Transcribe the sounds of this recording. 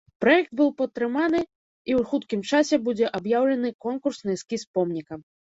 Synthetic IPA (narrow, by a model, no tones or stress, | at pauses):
pɾɐjɛk̚d̪̚bɨwpɐt̪t̪ːɾɨmanɨ | iwxut̪kʲimt͡ʂasʲɛbud͡zʲɛʔɐbjawlʲɛnɨkɔnkursnɨjɛskʲispɔmnʲikɐm